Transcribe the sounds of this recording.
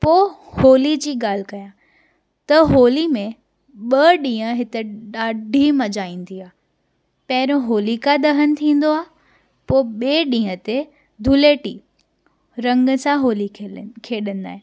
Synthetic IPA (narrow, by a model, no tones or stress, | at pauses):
poːhoːlid͡ʑiːɡaːl̤ɪkɐjã | t̪ɐɦoːlimẽ | ɓɐɗĩːə̃ɦɪt̪eɗaːɖʱimɐd͡ʑaːĩːnd̪iaː | pɛɦɾõɦoːlikad̪ɐɦənɪ̆t̪ʰĩːn̆d̪oaː | poːɓeːɗĩːɦə̃t̪e | d̪ʱʊleːʈḭ | ɾɐ̃ŋɡəsãɦoːlikʰeːɗən̆d̪aːɦẽː